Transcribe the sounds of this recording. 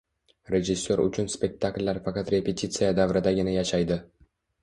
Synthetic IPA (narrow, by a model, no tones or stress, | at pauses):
ɾʲe̞ʒɪsʲːoɾʊ̰t͡ʃʰʊnspʲe̞k̚ʲt̪ʰakʲlʲːaɾfaqɑt̪ɾe̞pʲe̞t̪ʰʲit̪sijad̪avɾɪd̪aɡʲɪnajaʃajd̪ɪ